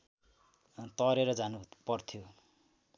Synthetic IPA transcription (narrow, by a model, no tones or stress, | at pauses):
t̪ʌɾeɾʌd͡zanupʌrt̪ʰijo